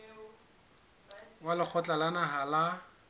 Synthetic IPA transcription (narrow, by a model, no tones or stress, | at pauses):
walɪk͡xʰɔt͡ɬʼalanaɦala